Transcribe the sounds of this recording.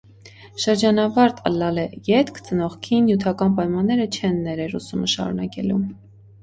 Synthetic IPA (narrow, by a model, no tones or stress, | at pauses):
ʃəɾd͡ʒɑnɑvɑɾt̪ʰə̰lːɑlɛjɛt̪kʰt͡sənɔχkʰinjut̪ʰɑkɑnpɑjmɑnːɛɾət͡ʃʰɛnːɛɾɛɾusuməʃɑ̰ɾṵnɑkɛlum